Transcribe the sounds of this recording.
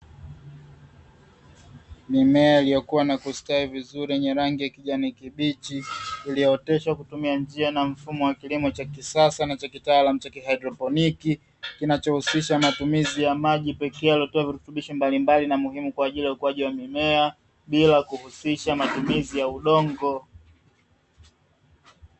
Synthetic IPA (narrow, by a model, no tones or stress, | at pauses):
mimɛailijɔkuwanakustaivizuɾiɛɲɛɾaŋɡijakiʄanikiɓit͡ʃiːlijɔɔtɛʃwakutumiand͡ʒianam̩fumɔwakilimɔt͡ʃakisasanat͡ʃakitalamut͡ʃakiɦajdɾɔpɔniki | kinat͡ʃɔhusiʃamatumizijamaʄipɛkɛjaliɔtɔaviɾutuɓiʃɔmbalimbalinamuhimukwaːʄilijaukuwaʄiwamimɛa | ɓilakuhusiʃamatumizijauɗɔŋɡɔ